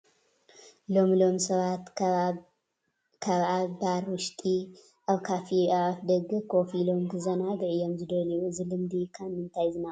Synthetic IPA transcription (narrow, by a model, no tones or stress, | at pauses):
lo̞mlo̞msɐβat̪ | kʰaβabaɾwʊʃt̪ʼi | ʔaβkʰafiaβafd̪ɐɡɨkʰo̞filo̞mɡɨzɐnad̪ɨʕɨjomzɨd̪ɐlijuɨzɨlɨmd̪ikʰamːɨnt̪ʰajzɨna